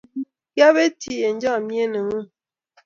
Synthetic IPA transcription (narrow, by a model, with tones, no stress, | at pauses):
ja˦βe˦tʰi˨je˨n̩˦d͡ʒɔ˦˨mje˦nə˨ŋu˦